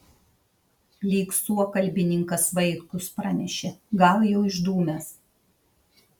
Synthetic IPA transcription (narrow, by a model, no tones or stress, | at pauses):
lʲiːksuɔkɐlʲbʲɪnʲɪŋkɐsʋɐɪkʊspɾɑnʲɛʃʲeɡɑˑwjɛʊɪʒd̪uːmʲɛs